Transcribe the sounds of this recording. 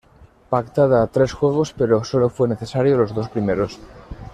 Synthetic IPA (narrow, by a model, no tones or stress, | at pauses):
pakt̪aðaːt̪ɾe̞sxwe̞ɣ̞o̞spe̞ɾo̞so̞lo̞fwe̞ne̞θe̞saɾjolo̞zðo̞spɾime̞ɾo̞s